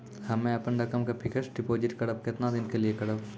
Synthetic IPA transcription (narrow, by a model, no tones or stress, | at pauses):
hɐmẽɐpənɾɐkəmkapʰɪkʰəsɖɪpoːd͡ʒɪʈkɐɽəp̚kɪt̪nad̪ɪnkeliekɐɽəb